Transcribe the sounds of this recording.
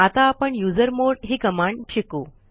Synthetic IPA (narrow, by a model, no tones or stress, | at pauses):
at̪aːpəɳjud͡zəɾmoɾɽɦiːkəmaɳɖɕiku